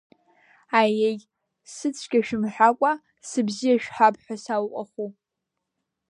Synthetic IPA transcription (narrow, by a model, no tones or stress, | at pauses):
ajej | sɨt͡sʷʰɡʲaʃᶣɪmħʷᶣakʷʼa | sɨbzijaʃᶣħapʰʼħʷᶣasawqʷʼaχu